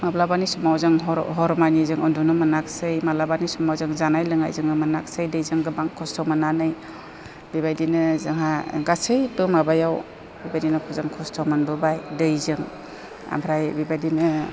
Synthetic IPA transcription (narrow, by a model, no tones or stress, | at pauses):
mablabanisumawzɯŋɦɔɾɦɔɾmanizɯŋɯndunɯmɯnaksɯjmalabanisumawzɯŋzanajlɯŋa̰jzɯŋnɯmɯnak̚sajdɯjzɯŋɡɯbaŋkʰɔstʰɔmananɯj | bibajdinɯzaŋɦa̰ɡasɯjbɯmabajaw | bibajdinɯkʰɔzaŋkʰɔstʰɔmanbɯbajdɯjzɯŋ | a̰mbʰɾajbibajdinɯ